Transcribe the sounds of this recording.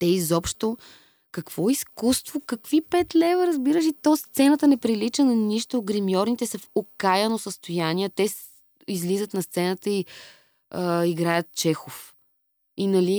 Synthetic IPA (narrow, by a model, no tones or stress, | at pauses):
t̪ɛizɔpʃt̪o | kɐkv̥ɔiskust̪vokɐkvipɛt̪lɛvɐɾɐzbiɾəʃit̪ɔst̪sɛnət̪ənɛpɾilit͡ʃənɐniʃt̪oːɡɾimijɔɾnit̪ɛsɐfokajɐnosəst̪ojaniɛt̪ɛs | izlizət̪nɐst̪sɛnət̪əi | əiɡɾajət̪̚t͡ʃɛxof | inɐli